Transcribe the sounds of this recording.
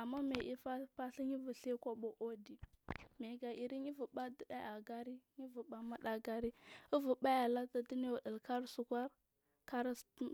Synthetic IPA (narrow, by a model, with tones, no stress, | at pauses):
a˨mːa˦me˨ʔi˦fa˦pa˦ɬi˦ɲi˦vu˨ɬe˦kʷa˦ɓo˨ʔo˦di˨me˨ɡa˨ʔi˨ɾi˦ɲi˦vu˨ba˦də˨da˦a˨ɡa˦ɾi˦ɲi˦vu˨ɓa˨ma˦da˨ɡa˦ɾi˦u˦vu˨ɓa˦ja˨la˦ta˦di˦ni˦wa˨də˨lka˦ɾsu˨kʷa˦ɾ | ka˦ɾ